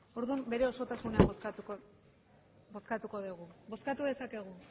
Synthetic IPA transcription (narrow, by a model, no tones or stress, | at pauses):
o̞ɾðumbe̞ɾe̞o̞so̞t̪asuneaat̪uko | bo̞skat̪uko̞ðuɣubo̞skat̪uðe̞sake̞ɣ̞u